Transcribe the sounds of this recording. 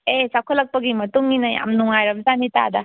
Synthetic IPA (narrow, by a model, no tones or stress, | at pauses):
esakʰɐlːɐk̚pɐɡimɐtuŋːinɐja̰mnuŋajɾɐmzanita̰dɐ